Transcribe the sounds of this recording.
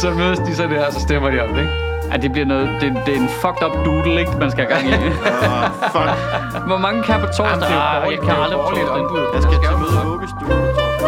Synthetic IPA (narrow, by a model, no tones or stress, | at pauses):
sɒ̽møðˠəsd̥isɒdeɐ̰ɒsɒ̽sd̥emɐd̥iɒ̽md̥eɡ̥ | æd̥e̝b̥liɐnɔːð̩ˠd̥e̝d̥e̝e̝nfɒ̽ɡ̥d̥ɒ̽b̥d̥uːd̥l̩eɡ̥̚mænsɡ̥æhæɡ̥ɑ̈ŋ̰i | f | ʋɒmɑ̈ŋəkʰæb̥et͡sʰɔ̰d̥ɒjaɪkʰæɑldʁiʁɔlidɔnb̥u̥jasɡ̥æsɡ̥emðˠɔb̥əsd̥uː